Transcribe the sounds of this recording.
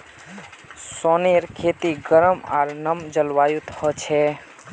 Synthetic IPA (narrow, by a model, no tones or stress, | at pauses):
soneɾkʰet̪iɡəɾəma̰ːɾnəmd͡ʒəlʋaːjut̪hət͡ʃʰɛ